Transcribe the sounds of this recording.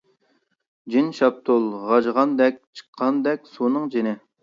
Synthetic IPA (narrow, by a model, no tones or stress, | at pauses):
d͡ʒinʃɑp̚t̪ʰulˠʁɑd͡ʒʁɑnd̪ɛkʲt͡ʃʰə̥qʰːɑnd̪ɛkʲsunɨŋd͡ʒinɪ